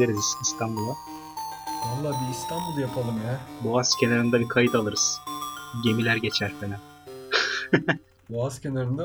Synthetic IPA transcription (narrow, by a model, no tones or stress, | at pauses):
lʲeɾizisist̪ʰanbulˠa | allːˠabiːst̪ʰanbulˠjapʰalˠɯmjaːboascʰenaɾɯnd̪abikʰajɯt̪ʰalˠɯɾɯz̥ɟe̞milʲæɾɟe̞t͡ʃʰæɾfenæ | buazcenaɾɯnd̪a